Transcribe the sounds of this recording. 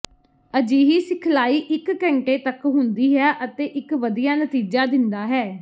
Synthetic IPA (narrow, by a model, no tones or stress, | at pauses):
əd͡ʒiːɦiːsɪkʰlaːiːʔɪkːɛ̃ɳʈeːt̪əkɦʊnd̪iːɦɛːʔət̪eːʔɪkʋəd̪ijaːnət̪iːd͡ʒaːd̪ɪnd̪aːɦɛː